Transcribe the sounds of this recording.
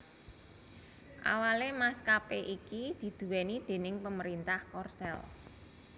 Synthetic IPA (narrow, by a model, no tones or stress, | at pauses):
ʔa̰walemaskapeʔikid̪̥i̤d̪̥ṳwɛnid̪̥e̤nɪŋpəməɾint̪ahkɔrsɛ̰l